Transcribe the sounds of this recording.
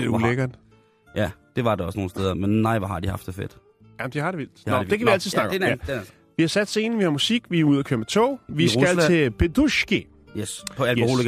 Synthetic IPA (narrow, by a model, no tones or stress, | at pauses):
d̥euleɡ̥ɐd̥ | jæd̥e̝ʋɑ̈deɒ̽sno̝ːnsteð̞ˠɐmenːɑɪʋɑhɑ̈d̥ihɑ̈fd̥efḛd̥ | jæm̩d̥ihɑ̈ɾ̥e̝ʋil̰d̥ɒd̥ekʰæʋiæl̰t͡sʰiðˠnɑɡ̥j | ʋihɑ̈sæd̥se̝ːnəʋihɑ̈musiɡ̥ʋiuð̞ˠɐkʰøɐmt͡sʰɔ̰ːʋisɡælt͡sʰe̝pʰeduɕki | jespʰɒælho̝l